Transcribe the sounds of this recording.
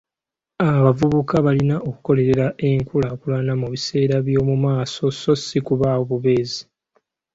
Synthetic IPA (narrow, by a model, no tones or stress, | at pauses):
aβavuβukaβalinaʔo̞ku̥ko̞le̞ɾe̞ɾaʔe̞ŋkulakulanamuβise̞ːɾaβjo̞ːmumaːso̞so̞sikuβaːwoβuβe̞ːzi